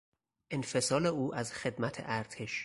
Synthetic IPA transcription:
ʔenfe̞sɒːleuːʔæzxe̞d̪mæt̪ʰḛʔæɾt̪ʰeʃ

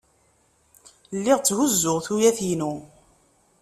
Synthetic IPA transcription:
lːɪʁt͡sːhuzːʊʁθujæθinu

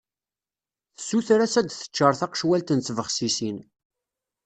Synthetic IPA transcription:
θə̥sːuθɾæsæd̪θə̥t͡ʃːəɾˤθɑqə̥ʃwælt̪ənt͡sːvəχsisin

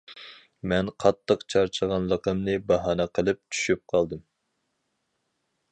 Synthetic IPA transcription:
mɛnqʰɑt̪ʰːəqt͡ʃʰɑɾt͡ʃʰəʁɑnlˠəqəmnɨbɑɦɑːnɛqʰəlˠɨp̚t͡ʃ̪ʰy̥ʃyp̚qʰɑlˠd̪ɨm

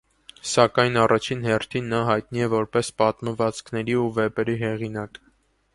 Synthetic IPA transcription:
sɑkɑjnɑrʔɑt͡ʃʰinhɛrt̪ʰinːɑɦɑjt̪niɛvɔɾpɛspɑt̪məvɑt͡skʰnɛɾiuvɛpɛɾiɦɛʁinɑk

